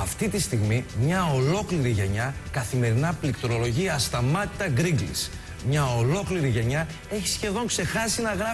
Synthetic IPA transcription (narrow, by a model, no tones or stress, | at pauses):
ɐft̪it̪ist̪iɣmimɲɐo̞lo̞kliɾiʝe̞ɲɐkɐθime̞ɾinɐplik̚t̪oɾo̞lo̞ʝiɐst̪ɐmɐt̪i̥t̪ɐɡɾiɡlḭs | mɲɐo̞lo̞kliɾiʝe̞ɲɐ | e̞çi̥sçe̞ðo̞ŋkse̞xɐsinɐɣɾɐ